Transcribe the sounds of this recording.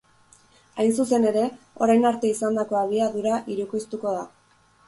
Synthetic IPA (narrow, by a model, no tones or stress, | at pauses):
ajns̬use̞ne̞ɾe̞ | o̞ɾajnaɾt̪e̞isand̪ako̞aðiaðuɾaʔiɾukist̪uko̞ð̞a